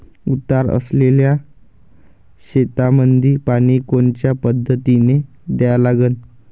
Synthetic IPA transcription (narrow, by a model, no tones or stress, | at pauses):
ut̪aɾə̰slelja | ɕet̪amənd̪ʱiːpaɽ̃ikont͡ɕjapəd̪ʱːət̪ine | d̪jjalaɡən